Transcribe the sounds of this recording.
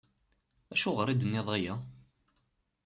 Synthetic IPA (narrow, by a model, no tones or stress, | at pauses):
æʃuʁəɾˤid̪ənːɪðˤajæ